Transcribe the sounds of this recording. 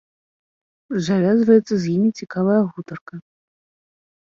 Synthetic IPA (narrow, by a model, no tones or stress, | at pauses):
zavʲazvɐjɛt̪sɐzʲjimʲit͡sʲikavɐjɐɣut̪ɐrkɐ